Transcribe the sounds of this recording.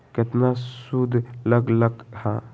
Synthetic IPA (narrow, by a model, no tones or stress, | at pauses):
kɪt̪nasud̪ʱləɡləɡha